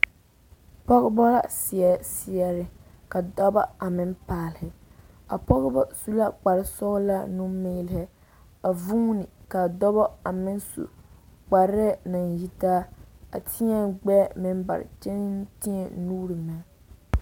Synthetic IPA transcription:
pɔ˦ɣɪ˦bɔ˦la̰˦si˨ɛ˨si˦ɛ˦ɾɪ˦ | ka˨dɔ˦ba˦a˨mɪ˦npaː˨lɪ˨hɪ˨ | a˨pɔ˦ɣɪ˦bɔ˦su˦la˦k͡pa˨ɾɪ˦sɔ˦ɣla˦nu˦meː˦lɪ˦hɪ˦ | a˨vu˦nɪ˨ka˨dɔ˦bɔ˦a˨mɪ˦n˦sṵ˨k͡pa˨ɾɛ˦na˨nji˦taː˦a˨tʰi˦ɛ˦ɡ͡bɛː˦mɪ˦m˦ba̰˨ɾɪ̰˨t͡ʃɛ˦n˦n˦ti˦ɛ˨nuː˦ɾɨ˨ma˨˦

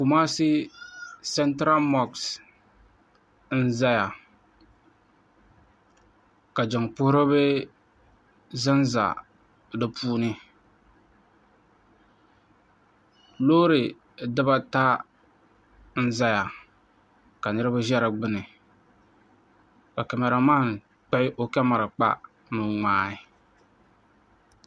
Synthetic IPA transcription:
ku˨maː˦sɪ˦ | sɛ˦ntɾa˦lmɔ˦ks | n̩˦za˦ja˨ | ka˨d͡ʒɔ˨ŋpʊ˦hɾɨ˦bɛ˦ | za˦nza̰˨ | dɨ˦pʰuː˦nɨ˦ | lo˦ɾɨ˨ | dɨ˦ba˦ta˦ | n̩˦za˦ja˨ | ka˨nɨ˦ɾɨ˦ba˦ʒɛ˦ɾɨ˨ɡ͡bɨ˦nɨ˨ | ka˨kɛ˨ma˨ɾɨ˨maː˦˨ŋ | k͡pɛ˦ʔɪ˦ʔo˦kɛ˦ma˨ɾɨ˨k͡pa̰˦ | nɨ˨ŋaː˦ɪ˦˨

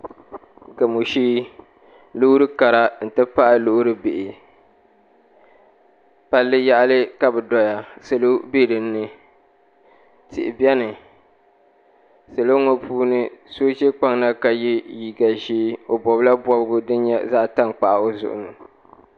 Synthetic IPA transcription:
ɡa˨mu˨ʃiː˦ | lʊ˦ʊ˦ɾɨ˦ka˨ɾa˦n̩˨tɨ˦pa˦ʔa˦lo˦ʔʊ˦ɾɨ˦be˨ʔɪ˨ | pa˦lːɨ˦ja˦ʔlɨ˦ka˦bɨ˨dɔ˦ja˨sɨ˨lo˦be˦ɾɨː˨˦ɨ˦ | tɪ̰˨ʔɪ̰˨bɛ˦nɨ˨ | sɨ˨lo˦ŋo˦pʰuː˦nɨ˦so˦t͡ʃe˦k͡pa˦ŋna˦ka˨ji˦ji˨ɡa˨ʒiː˦o˨bɔ˨bla˦bɔ˦bɡʊ˦dɨ˦n˦ɲɛ̰˦za˦ʔta˦ŋk͡pa˨ʔa˨o˦zʊ̰˨ʔʊ̰˨nɨ˨

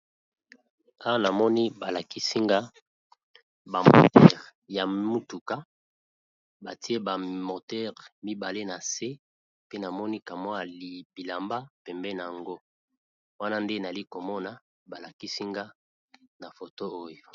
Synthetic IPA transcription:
a˦wa˦na˨mɔ˦ni˦ba˨la˨ki˦si˦ŋɡa˦ | ba˨mo̰˨tɛ˦ʁja˨mu˦tu˨ka˦ | ba˨ti˦e˦ba˨mo˨tɛ˦ʁmi˦ba˨le˦na˨se˦ | pe˦na˨mɔ˦ni˦ka˨mɔ˦a˨li˨b̥i˨la˨mba˦pɛ˨mbɛ˦na˨a˨ŋɡo˦ | wa˦na˦nde˦na˨li˦ko˨mɔ˦na˨ | ba˨la˨ki˦si˦ŋɡa˦ | na˨fo˨to˦o˦jo˨

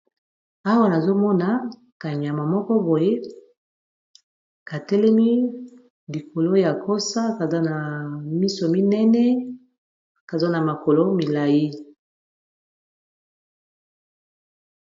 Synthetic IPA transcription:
a˦wa˦na˨zo˦mɔ˦na˨ | ka˨ɲ˨a˨ma˨mɔ˦kɔ˦bo˨je˦ | ka˨tɛ˦lɛ˦mi˦ | li˨ko˨lo˦ja˨ko˦sa˦ka˨za˦na˨mi˦so˨mi˦nɛ˦nɛ˦ | ka˨za˦na˨ma˨ko˨lo˦mi˨la˨ji˦

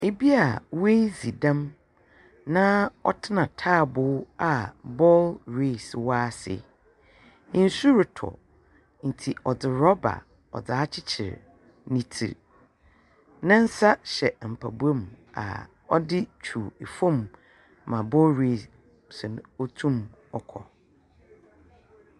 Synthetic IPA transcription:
e˨bi˦a˨we˦zi˨dã˦m | nã˦ɔ̰˦tʰɪ˦nã˨tʰaː˦˨bʊː˦˨˦a˨bɔ˦lɾe˦˨swa˦sɪ̰˨˦ | n̩˦su˦ɾɪ˨tʰɔ̰˨ | n̩˨tʰi˨ʔɔ˨d͡zɪ˨ɾɔ˦ba̰˨ | ɔ̰˨d͡za˨˦t͡ɕʰɪ˦t͡ɕʰɪ̰˨ɾ | nĩ˦tʰḭ˨ | nã˦n̩˦sa˦ɕɛ˨m̩˨pʰa˨bu˦a˦ma̰˨ | ɔ˦dɪ˦t͡ɕʰu˨e˨fõ˦˨mː | ã˨bɔ˦lɾe˦˨s | sʊ˨nɔ˦tʰũ˦mɔ˨kʰɔ̰˨

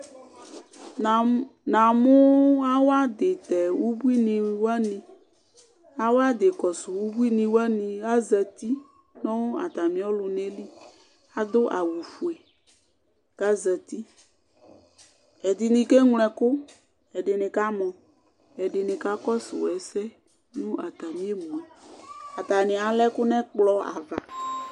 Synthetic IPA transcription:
nã˨mʊ˦a˦wo˦a˦d̪e˨t̪ɛ˨wu˦bu˦i˦nĩ˨˦wa˦nĩ˨ | a˦wo˦a˦d̪e˨kɔ˨sʊ˨wu˦bu˦i˦nĩ˨wa˦nĩ˨a˦zɛ˨t̪i˦ | nɔ̃˦wo˦a̰˨t̪a˨mĩ˨ɔ˦lʊ˨ne˦li˦ | a˨d̪ʊ˦ʔa˨wu˨fu˨e˨ | ka˦zɛ˨t̪i˦ | ɛ˨d̪i˨nĩ˨ke˦ŋlɛ̃˨kʊ˦ | ɛ˨ɖe˨nɪ̃˨ka˦mɔ̃˨ | ɛ˨ɖɪ˨nɪ̃˨ka˦kɔ˦sʊ̰˨wɛ˨sɛ˦ | nũ˦a˨t̪a˨mĩ˦e˦mũ˨a˨a˨t̪a˨nɪ̃˨a˨lɛ˦kʊ˦nɛ̃˦k͡plɔ˦a̰˨va̰˨

